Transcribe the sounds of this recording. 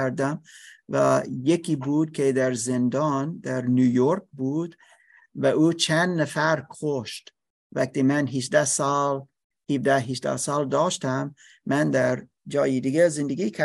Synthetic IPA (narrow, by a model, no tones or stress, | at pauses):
æɾd̪æmvæjekʰiːbuːd̪̚kʲʰed̪æɾzend̪ɑːnd̪æɾnuːjoɾk̚buːd̪ | væʔuːt͡ʃʰænd̪næfæɾkʰoʃt̪ | væk̚t̪iːmænɦid͡ʒd̪æsɒːl | hivd̪æɦid͡ʒd̪æ̰sɑːld̪ɒːʃt̪æmː | ænd̪æɾ | d͡ʒɒːjid̪iɡezend̪eɡiːkʲʰæ